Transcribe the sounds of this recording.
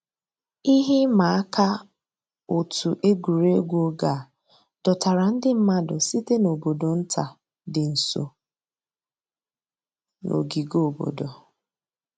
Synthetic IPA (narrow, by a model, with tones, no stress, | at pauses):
i˦ɦɪ˦ma˨˦a˦ka˦ | o˨tʰu˨ʔe˦ɡu˨ɾe˦ɡʷoo˦ɡa˨ | d̥ɔ˨ta˨ɾa˨n̩˦dɪ˦m̩˦ma˦dʊ˨si˦te˦no˨bo˨do˨n̩˦tʰa˨ | dɪ˨n̩˨so̰˨ | no̰˨ɡi˨ɡo˨bo̰˨do˨